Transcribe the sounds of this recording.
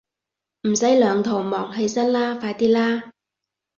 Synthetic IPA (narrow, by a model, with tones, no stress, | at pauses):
m̩˨˩sɐ˨˥jlœː˨˧ŋt̪ʰo˨˩wmɔː˨˩ŋɦe˧jsɐ˥nlaː˥faː˧jt̪iː˥laː˥